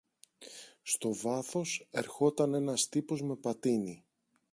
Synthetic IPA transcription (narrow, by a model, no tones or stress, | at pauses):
st̪o̞vɐθo̞se̞ɾxo̞t̪ɐne̞nɐst̪ipo̞zme̞pɐt̪ini